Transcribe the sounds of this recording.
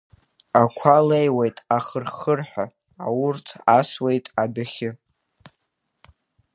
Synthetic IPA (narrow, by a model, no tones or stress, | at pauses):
akʷʰalejwejtʼaχərχərħʷᶣa | awʊrtʰaswe̞jtʼabaχʲɪ